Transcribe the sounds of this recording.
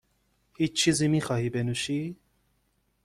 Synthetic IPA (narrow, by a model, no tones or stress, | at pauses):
hit͡ʃʰːizimixɑhibɛnuʃi